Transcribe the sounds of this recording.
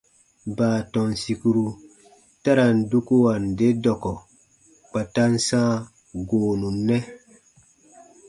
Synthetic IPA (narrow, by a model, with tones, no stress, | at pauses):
baː˨tɔ˨nsi˨ku˦ɾu˦ | ta˦ɾa˨ndu˦ku˦wa˨nde˦dɔ˨kɔ˨ | k͡pa˨ta˦nsã˦ | ɡoː˨nu˨nːɛ˦